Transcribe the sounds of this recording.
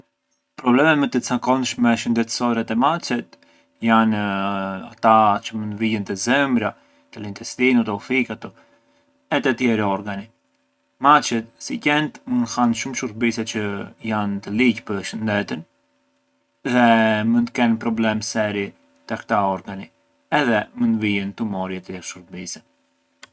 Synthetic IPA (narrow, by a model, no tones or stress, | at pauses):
pɾɔblɛmɛmɛt̪ːət͡sakɔnʃmɛʃənd̪ɛt̪əsɔɾɛt̪ɛmat͡ʃɛt̪ | jan | a̰t̪at͡ʃəmənd̪vilɛnt̪əzɛmbɾa | t̪əlint̪ɛst̪inut̪ɛufikat̪ɔ | ɛt̪ɛt̪jɛɾiɔɾɡani | mat͡ʃɛt̪sicɛnt̪mənhanʃumʃuɾ̚bisɛt͡ʃəjant̪əlicpəɾʃənd̪ɛt̪ən | ðɛmənt̪əkɛnpɾɔblɛmsɛɾi | t̪əkt̪aɔɾɡani | ɛðɛmənvijɛnt̪umɔɾjɛt̪əɛʃuɾbisɛ